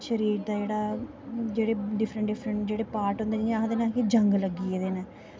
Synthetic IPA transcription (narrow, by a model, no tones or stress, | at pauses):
ʃəɾiːɾd̪aːd͡ʒeːɽaː | d͡ʒeːɽeːɖɪfʰɾəɳʈɖɪpʰɾəɳʈd͡ʒeːɽeːpaːɾʈɦʊ̃nd̪eːniãːɦd̪eːnɛ̃ːkid͡ʒəŋɡləɡieːd̪eːnɛː